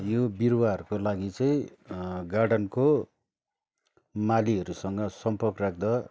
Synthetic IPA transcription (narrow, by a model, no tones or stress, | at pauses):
jobirwaʌrkolaɡit͡sʌĩɡaɽʌnko | maliɦʌɾusʌŋɡʌsʌmpʌrkrak̚ʰd̪a